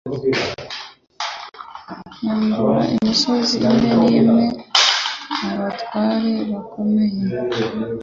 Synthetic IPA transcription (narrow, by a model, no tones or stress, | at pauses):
handuɾa̰ʔimisoziːmeniːme̞ | aβatwaːɾe̞βako̞me̞je